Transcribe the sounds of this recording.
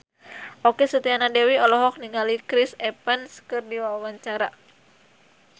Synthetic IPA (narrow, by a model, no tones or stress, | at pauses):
ʔokesət̪ianadɛwiɔlɔɦɔk̚niŋalikɾisɛpənskɨrdiwawawaɲt͡ʃaɾa